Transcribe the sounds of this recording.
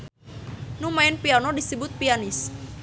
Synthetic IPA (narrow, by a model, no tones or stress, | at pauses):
numaɪnpianɔdisəbʊt̪̚pianɪs